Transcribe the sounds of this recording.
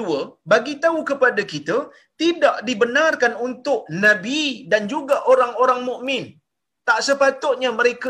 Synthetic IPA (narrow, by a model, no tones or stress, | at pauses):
uəbaɡit̪aukəpadakit̪ə | t̪idaʔdibənarkanunt̪ʊʔ̚nãbidand͡ʒuɡaʔoɾaŋoɾaŋmũʔmɪ̃n | t̪aʔsəpat̪ʊt̪̚ɲaməɾek